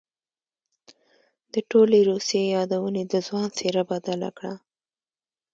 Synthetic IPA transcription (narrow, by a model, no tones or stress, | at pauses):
d̪̥əʈoleɾusjejɑd̪awəned̪əzwɑnseɾabad̪ala̰kɽa